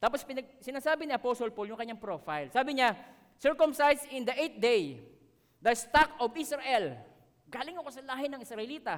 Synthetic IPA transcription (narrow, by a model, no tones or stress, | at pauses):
t̪aːpospɪnɐɡ̚sɪnaːsaːbɪniʔɐposolpoljʊŋkɐɲaŋpɾoːfajlsaːbɪɲa | sɛɹkomsajsɪ̃nd̪ɐʔejt̪̚d̪ej | d̪ɐst̪akovɪsɹɐʔɛl | ɡaːlɪŋokosɐlaːɦɪnɐŋɪsɹɐʔɪliːt̪ɐ